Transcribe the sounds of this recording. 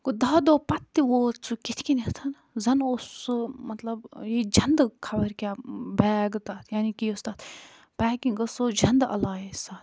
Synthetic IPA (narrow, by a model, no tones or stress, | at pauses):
kud̪aːd̪oːpɐt̪ːiʋoːt͡sʰukit̪ʰkinit̪ʰɐn | zɐnosmɐt̪lɐbjid͡ʒʱɐnd̪kʰɐbɐɾkʲaːbɛːɡt̪aːt̪ʰjaːnikiost̪aːt̪ʰ | pɛːkiŋɡɐsoːd͡ʒʱɐnd̪ɐ̰laːjisaːt̪ʰ